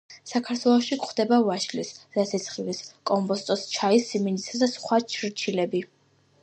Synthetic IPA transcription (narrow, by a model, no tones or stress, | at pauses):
sakʰaɾt̪ʰwɛlˠɔʃikχd̪ɛbavaʃlisz̥at̪sʰɛt̪sʰχiliskʼɔmpʼɔst̪ʼɔst͡ʃʰaisːimɛnisad̪asχwat͡ʃʰɾt͡ʃʰilɛbi